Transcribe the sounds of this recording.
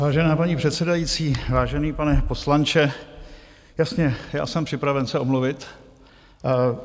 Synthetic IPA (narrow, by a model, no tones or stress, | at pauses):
vaːʒɛnaːpaɲipr̥ɛt̪sɛdajiːt͡siːvaːʒɛniːpanɛpo̞slant͡ʃɛ | jasɲɛja̰ːsɛmpr̝̥ɪpɾavɛnsɛʔo̞mluvɪt̪